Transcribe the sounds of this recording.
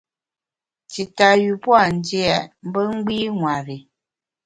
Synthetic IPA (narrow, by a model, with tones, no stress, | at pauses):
ti˨ta˨ju˨pwa˦˨n˨˦di˦a˨m̩˦bə˦ŋ̩˦ɡ͡biː˦ŋwa˨ɾi˨